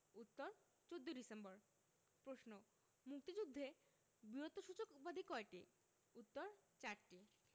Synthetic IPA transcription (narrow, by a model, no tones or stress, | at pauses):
ut̪ːoɾ | t͡ɕod̪ːoɖisembɔɾ | pɾosno | muk̚t̪id͡ʑud̪ʱːe | biɾot̪oʃut͡ɕokupad̪ʱikɔeʈi | ut̪ːoɾt͡ɕaɾʈi